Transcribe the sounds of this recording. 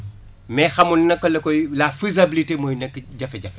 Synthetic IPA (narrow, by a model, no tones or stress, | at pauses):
mɛxɐmulnɐkːɔlɛkɔjlaːfizɐbilitemoːjnɛkːɟɐfɛɟɐfɛ